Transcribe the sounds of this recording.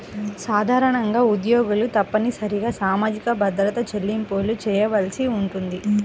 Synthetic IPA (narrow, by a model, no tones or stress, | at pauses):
saːd̪ʱaːɾɐɳɐŋɡaːud̪joːɡulut̪ɐpːɐnisɐɾiɡaːsaːmaːd͡ʒikɐbɐd̪ɾɐt̪ɐt͡ʃelːimpoːlut͡ʃɛːjɐʋɐlsiuɳʈund̪i